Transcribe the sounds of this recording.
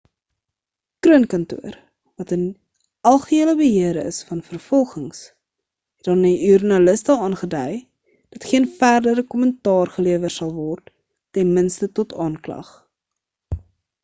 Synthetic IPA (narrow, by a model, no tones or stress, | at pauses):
kruənkɐntṵər | vɐtən | ɐlˠχəiələbəɦiəɾəəsfɐnfərfɔlˠχəŋs | hɛtdɑniyrnɐləstəɑːnχədœj | d̥ɐtχiənfærdəɾəkɔməntɑːrχəliəvərsɐlˠvɔrtː | ɛnmənstətɔtɑːnklɐ̰χ